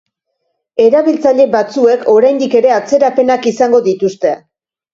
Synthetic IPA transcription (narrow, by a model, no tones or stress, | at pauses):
e̞ɾaβilt͡saʎe̞bat͡sue̞kʰo̞ɾajnd̪ike̞ɾe̞at͡se̞ɾape̞nakisaŋɡo̞ðit̪ust̪e̞